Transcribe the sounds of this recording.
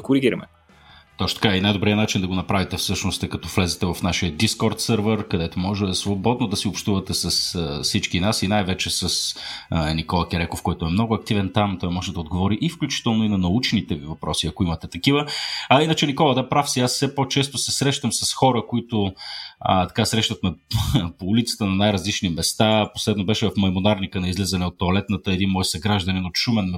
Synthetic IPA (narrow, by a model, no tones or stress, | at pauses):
ɐkoɾiɡiɾɐmɛ̰ | t̪ɔʃt̪ot̪ɐkainajd̪obɾiənat͡ʃind̪ɐɡonɐpɾavit̪ɛfsɤʃnost̪ɛkɐt̪ɔflɛzɛt̪ɛvɐfnaʃiəd̪iskɔɾt̪sɤɾvəɾkɐd̪ɛt̪omɔʒɛsvobɔd̪nod̪ɐsiopʃt̪uvət̪ɛsɐssit͡ʃkinasinajvɛt͡ʃɛsɐsnikɔlˠɐkɛɾɛkofkɔjt̪ʊɛmnɔɡʊɐk̚t̪ivɛnt̪amt̪ɔjmɔʒɛd̪ɐod̪ɡovɔɾiʔifklʲut͡ʃi̥t̪ɛlˠnoinɐnɐut͡ʃnit̪ɛvivɐpɾɔsiɐkoimɐt̪ɛt̪ɐkivəɐinət͡ʃɛnikɔlˠəd̪apɾafsiasːɛpot͡ʃɛst̪ʊsɛsɾɛʃt̪əmsɐsxɔɾəkoit̪ʊə̰t̪ɐ̥kasɾɛʃt̪ət̪mɛpoulit̪sə̥t̪ənɐnajɾəzlit͡ʃnimɛst̪aposlɛd̪nobɛʃɛvɐfmɐjmonaɾnikənɐizlizɐnɛot̪ːoɐlɛt̪nət̪əɛd̪inmɔjsɐɡɾaʒd̪ɐninot̪ʃumɛnː